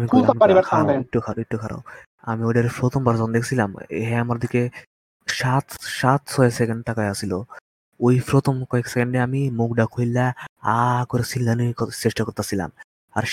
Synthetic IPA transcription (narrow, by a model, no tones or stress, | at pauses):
amikuamipaɾibaɾʰaek̚ʈukʰaɾaek̚ʈukʰaɾa̰w | a̰miojɖaɾefɾot̪ɔmbaɾzɔnd̪ekʰe̥sʰilamḛɦɛamaɾd̪ike | ʃat̪ʃat̪sʰɔjesekeɳɖ̚ʈakaeasilo | ojpɾot̪omkɔeksekeɳɖeamimukɖakʰojlːaakoɾesilnanikseʃʈakoɾt̪asʰila̰m | aɾ